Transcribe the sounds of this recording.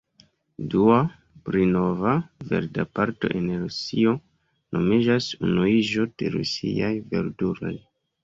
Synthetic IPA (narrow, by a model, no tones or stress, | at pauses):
dua | pɾino̞vave̞̰ɾda̰paɾto̞̰ʔenɾusio̞ | nʔo̞mid͡ʒasunuiʒo̞d̥e̞ɾṵsḭajve̞̰ɾduɾo̞̰j